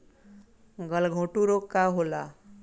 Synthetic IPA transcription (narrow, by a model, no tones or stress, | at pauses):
ɡʌlɡʱõʈuɾokaɦola